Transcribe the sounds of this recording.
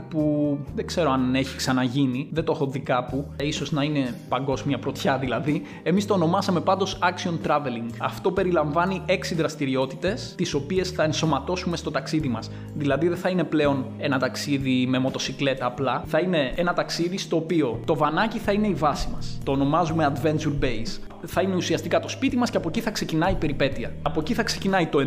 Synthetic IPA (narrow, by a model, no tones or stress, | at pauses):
puðeɡ̥se̞ɾoɐne̞çi̥ksɐnɐʝiniðet̪oxo̞ðikɐpuiso̞znɐine̞pɐŋɡo̞zmiɐpɾo̞t̪çɐðilɐði | e̞mist̪oːno̞mɐsɐme̞pɐnd̪o̞sɐksio̞nt̪ɾɐve̞liŋɡɐft̪o̞pe̞ɾilɐɱvɐnie̞ksiðɾɐst̪iɾio̞t̪it̪e̞st̪iso̞pie̞sθɐe̞nso̞mɐt̪o̞sume̞st̪o̞t̪ɐksiðimɐs | ðilɐðiðeθɐine̞ple̞o̞ne̞nɐt̪ɐksiðime̞mo̞t̪o̞sikle̞t̪ɐːplɐθɐine̞e̞nɐt̪ɐksiðist̪o̞ːpio̞t̪o̞vɐnɐciθɐine̞ivɐsimɐst̪o̞ːno̞mɐzume̞ɐd̪ve̞nt͡ʃuɾbe̞js | θɐine̞usiɐst̪ikɐt̪o̞spit̪imɐsce̞ɐpo̞ciθɐkse̞cinɐipe̞ɾipe̞t̪iɐɐpo̞ciθɐkse̞̥cinɐit̪o̞